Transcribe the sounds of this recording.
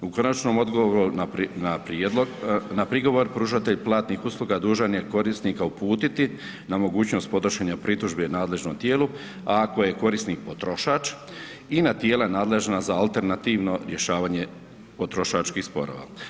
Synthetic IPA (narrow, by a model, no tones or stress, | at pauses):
uko̞nat͡ʃnomo̞d̪ɡoʋoɾuanapɾonapɾiɡo̞ʋo̞ɾpɾuːʃat̪e̞ʎplˠaːt̪nixuːslˠuɡad̪uːʒanjeko̞ɾisniːkaupuːt̪it̪i | namo̞ɡuːt͡ɕno̞st̪̚po̞t̪ɾoʃeɲapɾit̪uʒbenaːd̪le̞ʒnomt̪jeːlu | ako̞je̞ko̞ɾisniːk̚pot̪ɾoʃaːt͡ʃ | inat̪jeːlaenaːd̪le̞ʒnazaːlt̪e̞ɾnat̪iːʋno̞ɾje̞ʃaːʋaːɲe̞ | po̞t̪ɾo̞ʃat͡ʃkixspo̞̰ɾo̰ːʋa̰ː